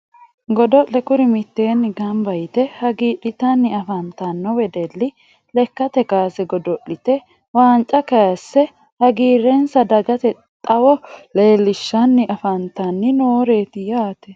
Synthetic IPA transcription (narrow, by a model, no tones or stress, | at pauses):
ɡɔd̪ɔʔːɛkʊɾɪmɪt̪ːeːnːɪɡɐmbɐjɪt̪ɛhɐɡiːᶑɪt̪ɐnːɪɐfɐnt̪ɐnːɔwɛd̪ɛlːɪ | lɛkːɐt̪ɛkaːsɛɡɔd̪ɔʔːɪt̪ɛ | waːnt͡ʃʼɐkɐjɐsːɛ | hɐɡiːɾːɛnsɐd̪ɐɡɐt̪ɛ | t̪ʼɐwɔleːlːɪʃːɐnːɪʔɐfɐnt̪ɐnːɪnoːɾeːt̪ɪjaːt̪ɛ